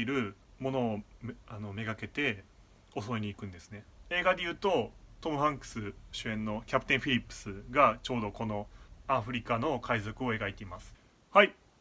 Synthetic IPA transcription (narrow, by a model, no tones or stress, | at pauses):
iɾɯ̟mo̞no̞ːano̞me̞ɡake̞t̪e̞ | o̞so̞eɲ̟iːkɯ̟̃nd̪e̞sɨ̥ne̞e̞ːɡad̪e̞jɯ̟ːt̪o̞t̪o̞mɯ̟ɸãŋkɯ̥sɨɕɨẽ̞nːo̞kʲapɯ̟̥t̪ẽ̞ɰ̃ɸʲiɾʲipːɯ̥sɨɡat͡ɕo̞ːd̪o̞ko̞no̞aɸɯ̟ɾʲikano̞kʰaizo̞kɯ̟o̞e̞ɡait̪e̞imasɨ̥ | hai